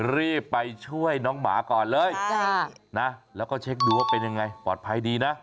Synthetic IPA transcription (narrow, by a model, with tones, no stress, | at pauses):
ɾi˥˩pːa˧jt͡ɕʰu˥˩əjnɔː˦˥ŋma̰ː˩˦kɔː˨˩nlɤː˧jʰa˥˩na˦˥lɛː˦˥wkɔː˥˩t͡ɕʰe˦˥k̚duː˧waː˥˩pe˧nja˧ŋːa˧jpɔː˨˩t̪̚pʰa˧jdiː˧na˦˥